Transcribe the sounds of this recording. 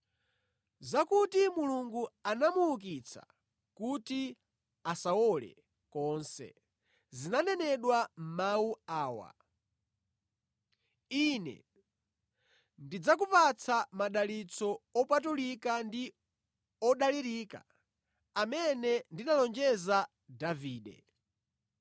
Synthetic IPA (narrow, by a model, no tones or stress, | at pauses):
zakutimuluŋɡuanamuuk̬it͡sʰa̰ | kuti | asaɔlɛ̰ | kɔːnsɛ̰ | zinanɛnɛɗwam̩mauaːwa̰ | inɛ̰ | ndid͡zakupat͡sʰamaɗalit͡sʰɔɔpatulikandi | ɔɗaliɾiːka̰ | amɛnɛndinalɔnd͡ʒɛza | daviːɗɛ̰